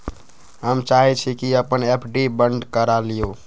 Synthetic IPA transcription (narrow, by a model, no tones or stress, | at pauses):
ɦəmt͡ʃaɦit͡ʃʰikiəpənepʰɖibəɳɖkəɾalijo